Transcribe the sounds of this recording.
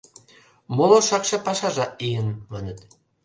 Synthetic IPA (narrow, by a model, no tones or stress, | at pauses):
moloʃɑkʃɑpɑʃɑʒɑʔijənmɑnʲə̆t̪